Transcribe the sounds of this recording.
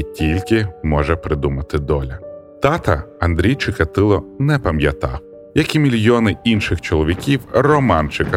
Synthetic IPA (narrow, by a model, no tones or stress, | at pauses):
tʲilʲkɪmɔʒɛpɾɪd̪umɐt̪ɪd̪ɔlʲɐ | t̪ɑt̪ɐɐnd̪ɾʲijt͡ʃɪkɐt̪ɪlˠɔnɛpɐmjɐt̪ɑ̰w | jɐkimʲilʲjɔnɪinʃɪxt͡ʃɔlˠɔʋʲikʲiwrɔmɑnt͡ʃɪkɐ